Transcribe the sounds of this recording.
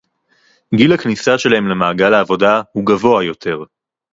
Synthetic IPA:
ɡilaknisaʃe̞lahemlemaːɡalaːvo̞dahuɡavo̞ajo̞tʰe̞ʁ

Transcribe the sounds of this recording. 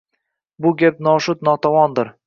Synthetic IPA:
bʊɡʲap̚nɒʃʊt̪nɒt̪ʰɒwɒnd̪ɪɾ

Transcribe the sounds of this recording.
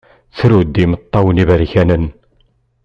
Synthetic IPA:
θɾud̪imət̪ˤːɑwənivəɾçænən

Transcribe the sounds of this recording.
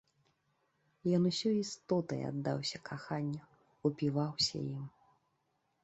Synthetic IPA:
jɔnusʲɔist̪ɔt̪ɐ̰ja̰d̪ːawsʲɐkʰaxanʲːɐ | upʲivawsʲɐ̰jim

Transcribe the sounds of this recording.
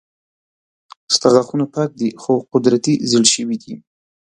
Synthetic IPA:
st̪aɣaxunapɑk̚d̪ixoqʊd̪ɾat̪izəlʃəwid̪i

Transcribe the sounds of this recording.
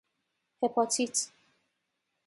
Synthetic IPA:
hɛpʰɔt͡sʰit͡s

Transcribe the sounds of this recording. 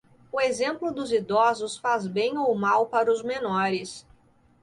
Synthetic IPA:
ʊezẽmplʊd̪ʊzid̪ɔzʊsfazbẽj̃owmawpaɾɐʊzmenɔɾɪs

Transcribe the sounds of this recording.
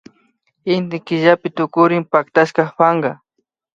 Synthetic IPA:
ɪnt̪ɪkɪʒapɪt̪ʊkʊɾɪmpakt̪aʃkɑχpɑɴɢɑ

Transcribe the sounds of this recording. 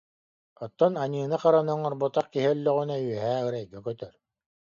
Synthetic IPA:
ɔt̪ːɔnaɲɯːnaqaɾanɯŋɔɾbɔt̪aχkiɦiœlːœʁynayɛɦæːɯɾɛjɡɛkœt̪œɾ

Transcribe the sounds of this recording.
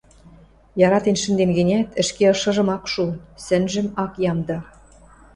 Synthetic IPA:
jɑɾɑt̪enʃɘ̆nd̪enɡɘ̆nʲæt̪ə̆ʃkeɤ̆ʃɤ̆ʒɤ̆mɑkʃunsɘ̆nʒɘ̆mɑkjɑmd̪ɑ

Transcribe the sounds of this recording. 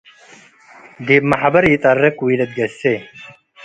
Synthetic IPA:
d̪iːbmɐħbɐɾjɪt̪ʼɐrːɐkwiːlɐt̪̚ɡɐsːe

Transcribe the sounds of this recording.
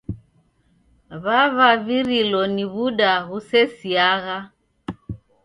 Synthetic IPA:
βaβaβiɾilɔniβuɗaɦusɛsiaɣa

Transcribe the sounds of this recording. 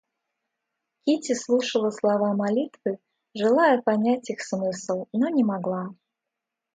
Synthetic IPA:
kʲitʲɪslˠuʂəlˠəslˠɐvamɐlʲit̪vɨ | ʐɨlˠajəpɐnʲætʲixsmɨslˠnonʲɪmaɡlˠa

